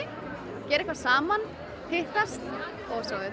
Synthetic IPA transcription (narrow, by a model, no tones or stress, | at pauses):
cɛːɾɛhkvasaːman | hɪht̪ast̪ | ɔɣsaɣðɪ